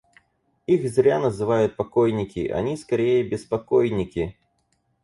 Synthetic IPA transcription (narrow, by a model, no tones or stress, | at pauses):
ixzʲɾʲanɐzɨvajʊt̪̚pakɔjnʲikʲḭʔa̰nʲiskaɾʲejɐbʲɪspakɔjnʲikʲi